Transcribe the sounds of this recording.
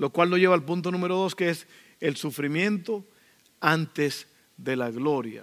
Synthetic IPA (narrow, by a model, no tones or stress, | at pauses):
lo̞kwalno̞ʝe̞βaːlpunt̪o̞nũme̞ɾo̞ðo̞skees | elsufɾimjẽ̞nt̪o̞ | ant̪es | ðe̞laɣlo̞ɾja̰